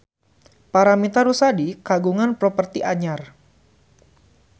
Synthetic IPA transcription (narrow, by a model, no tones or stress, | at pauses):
paɾamit̪aɾusadikaɡuŋanpɾɔpərt̪iʔaɲar